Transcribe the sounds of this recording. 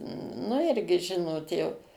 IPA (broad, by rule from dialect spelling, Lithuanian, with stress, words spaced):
nʊ ˈɪrʲɡʲɪ ˈʒʲɪnoːt jɛʊ